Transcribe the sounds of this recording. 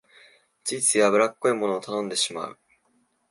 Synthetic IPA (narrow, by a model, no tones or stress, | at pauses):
t͡sɨːt͡sɨiβabɯ̟ɾakːo̞imo̞no̞ːt̪anõ̞nd̪e̞ɕima̰ɯ̟̰